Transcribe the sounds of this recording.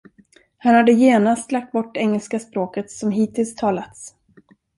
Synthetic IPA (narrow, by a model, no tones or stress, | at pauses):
hanhad̪ːəjeːnast̪lak̚t̪̚bɔʈːɛŋːəlskaspɾoːkət̪sɔmɦiːt̪ʰɪlst̪ʰɑːlat̪s